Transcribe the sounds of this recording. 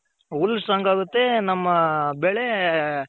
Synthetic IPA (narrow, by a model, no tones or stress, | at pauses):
ulːsɐŋɡaːɡut̪ːenɐmːɐbeːɭe